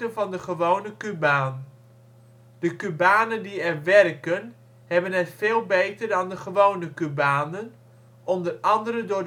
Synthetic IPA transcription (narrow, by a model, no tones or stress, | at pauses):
tənvɑndəχəʋownəkybaːn | d̥əkybaːnəndiɛrʋɛrkən | ɦɛbənɦɛtfeːlˠbejtərdɑndəχəʋownəkybaːnən | ʔɔndərɑndəɾəndʊːɹ